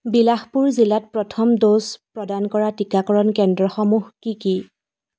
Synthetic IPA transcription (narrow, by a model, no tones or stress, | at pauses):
bilaxpuɹzilat̚pɹɔtʰɔmdospɹɔdankɔɹatikakɔɹɔnkɛndɹɔxɔmuhkiki